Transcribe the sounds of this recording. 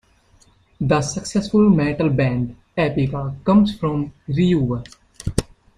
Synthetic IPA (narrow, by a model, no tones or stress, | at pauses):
d̪əsəksɛsfʊlmɛ̃ʈəlbɛ̃ɳɖ | ɛpɪkakʌ̃mzfɾɔ̃mɾiuːʋəɾ